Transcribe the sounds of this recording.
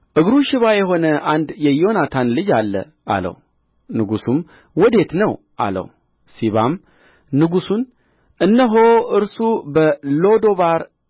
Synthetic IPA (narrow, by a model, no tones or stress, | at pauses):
ʔɨɡɾuʃɪβajɛɦo̞nəʔand̪jɛjo̞nat̪ʰanlɨd͡ʒalːə̰ | ʔa̰lə̰w | nɨɡusum | wɔd̪e̞t̪nəw | ʔa̰lə̰w | siβam | nɨɡusun | ʔɨnːəɦo̞ʔɨɾsubəlo̞d̪o̞βaɾ